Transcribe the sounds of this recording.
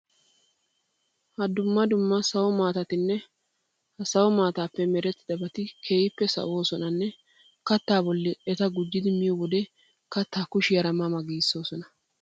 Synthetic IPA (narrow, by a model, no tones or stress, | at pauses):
hɐd̪ʊmːɐd̪ʊmːɐsɐwɔmaːt̪ɐt̪ɪnːɛ | hɐsɐwɔmaːt̪aːpːɛmɛɾɛt̪ːɪd̪ɐbɐt̪ɪkʰe̞ːjɪpːɛsɐ̰ʔo̞ːsɔnɐnːɛ | kɐt̪ːaːbɔlːɪɛt̪ɐɡʊd͡ʒːɪd̪ɪmɪjɔwɔd̪ɛ | kɐt̪ːaːkʊʃɪjɐɾɐmɐmɐɡiːsːo̞ːsɔnɐ